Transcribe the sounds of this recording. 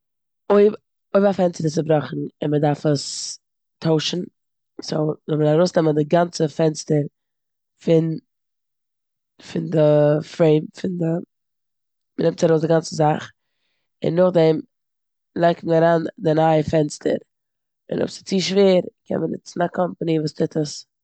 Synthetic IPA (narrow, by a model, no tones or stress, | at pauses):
oɪb | oɪbafɛnstəɾɪs̬ɪbɾɔχn̩ɪnmədaɾfəs | tʰoʊʃn̩ | soʊzɔmədaɾaɾoʊsnɛməndɪɡant͡səfɛnstəɾ | fɪn | fɪndəfɾeɪmfɪndə | mənɪmtaɾoʊsdɪɡant͡səzaχ | ɪ̰nːʊχdɛm | lˠaɪk̚tmənaɾaːndɪnaɪəfɛnstʰə̰ɾ | ɪ̰nɔ̰psɪ̥t͡siːʃveːɾkʰɛ̰nmənɪ̰t͡sn̩akʰɔmpənivuːstʰɪtʰəs